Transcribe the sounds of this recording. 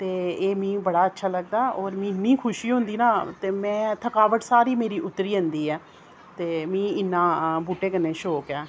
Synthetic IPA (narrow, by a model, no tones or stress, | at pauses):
t̪eːeːmĩːbəɽaːətːʃʰaːləɡ̚d̪aːɔːɾmĩːnːĩːkʰʊʃiːɦʊ̃nd̪iːnãːt̪eːmɛ̃ːt̪ʰəkaːʋəʈsaːɾiːmeːɾiːʔʊt̪ːəɾiːɦənd̪iːɛː | t̪eːmĩːɪnːãːbuːʈeːkənːeːʃoːkɛː